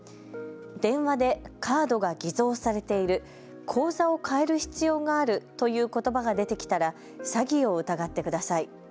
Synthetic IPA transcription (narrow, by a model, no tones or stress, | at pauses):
d̪̥ẽ̞ɰ̃βad̪e̞kʰaːd̪o̞ɡaɡʲizo̞ːsaɾe̞t̪e̞iɾɯ̟ | kʰo̞ːzao̞kʰae̞ɾɯ̟çi̥t͡sɨjo̞ːɡaːɾɯ̟t̪o̞jɯ̟ːko̞t̪o̞baɡad̪e̞t̪e̞kʲi̥t̪aɾa | saɡʲio̞ɯ̟t̪aɡat̪ːe̞kɯd̪asai